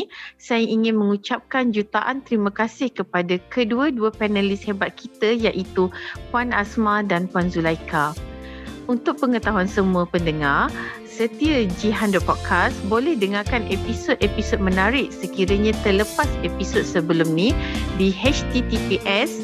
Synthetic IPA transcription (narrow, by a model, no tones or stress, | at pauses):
sajaʔiŋɪ̃nmə̃ŋut͡ʃap̚kand͡ʒut̪aʔant̪əɾimãkasɪhkəpadakəduəduəpɛnalɪshebat̪̚kʰit̪əjaʔit̪upwana̰smãdanpuanzulajkʰa | unt̪ʊk̚pəŋət̪aɦuansəmuəpəndəŋar | sət̪iad͡ʒiɦandəpɔt̪̚kʰasbolɛhdəŋarkanʔepisod̪̚episod̚mə̃naɾɪʔ̚səkiɾaɲãt̪ələpasepisod̪̚səbəlʊmnĩdiɦɛt͡ʃt̪it̪ipiʔɛs